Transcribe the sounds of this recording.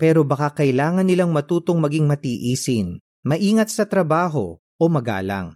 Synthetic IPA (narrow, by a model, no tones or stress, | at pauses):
pɛːɾo̞bɐkakɐʔɪlaːŋɐnːɪlaŋmɐt̪uːt̪o̞ŋmɐɡiŋmɐt̪iʔiːsɪn | mɐʔiːŋɐt̪̚sɐt̪ɾɐbaːɦo̞̰ | ʔomɐɡa̰ːlɐ̰ŋ